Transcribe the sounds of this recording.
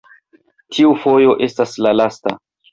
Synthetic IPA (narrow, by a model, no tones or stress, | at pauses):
tʰiufo̞jo̞ʔe̞staslalasta̰